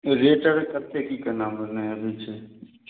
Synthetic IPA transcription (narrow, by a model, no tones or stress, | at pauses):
ɾeːʈəɾkət̪eːkiːkənãːmənaəbiːt͡ʃʰeː